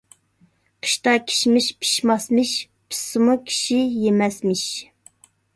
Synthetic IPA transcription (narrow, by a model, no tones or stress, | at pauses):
qʰə̥ʃt̪ɑkʲʰi̥ʃmɪʃpʰi̥ʃmɑsmɪʃ | pʰi̥sɨmukʲʰi̥ʃijemɛsmɪʃ